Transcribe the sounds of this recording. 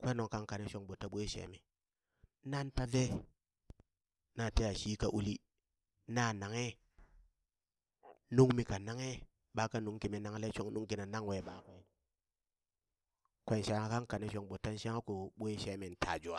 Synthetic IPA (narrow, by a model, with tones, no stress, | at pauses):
kʷe˦no˨ŋka˦ŋka˨ne˦ʃo˨ŋɓo˨tːa˦ɓʷo˦i˦ʃḛ˨˦me˨ | na˦nta˦ve˦ | na˨te˦ja˨ʃiː˦ka˨ʔu˦li˦ | na˦na˨ŋe˦ | nu˦ŋmi˨ka˨na˦ŋe˦ | ɓa˨˦ka˦nu˨˦ŋki˨mi˨na˨ŋ˦le˦ʃo˦ŋnu˦ŋki˨na˨na˦ŋwe˨ɓa˨kʷe˨n | kʷe˨˦˨nʃa˦ŋa˦˨ka˦ŋka˨ne˦ʃo˨ŋɓo˨tːa˦n˦ʃa˦ŋa˦ku˨ɓʷo˦i˦ʃe˦me˨n˨tʰa̰˨d͡ʒu˨a˨